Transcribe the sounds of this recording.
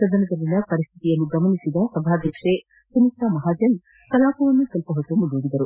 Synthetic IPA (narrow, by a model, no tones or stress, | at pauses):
sɐd̪ɐnɐd̪ɐlːinɐpɐɾist̪ʰi̥t̪ijɐlːuɡɐmɐnisid̪ɐsɐbʱaːd̪ʱjɐkʂe | sɐnit̪amɐɦaːd͡ʒɐn | kɐlaːpɐʋɐnːusɐlpɐɦɐt̪ːumulɖuɽid̪ɐɾu